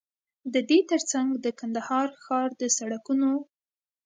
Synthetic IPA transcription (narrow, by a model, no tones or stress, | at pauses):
d̪əd̪et̪əɾt͡saŋɡd̪əkand̪ahɑɾxɑɾd̪əsaɽakuno